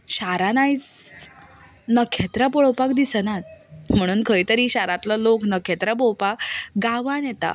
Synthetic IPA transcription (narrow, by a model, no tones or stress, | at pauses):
ɕaɾanajt͡s | nəkʰet̪ɾəpoɭopakd̪isənat̪̚m̤əɽ̃uːnkʰəit̪əɾiːɕaɾat̪laloknəkʰet̪ɾəpowpakɡaʋanjet̪a̰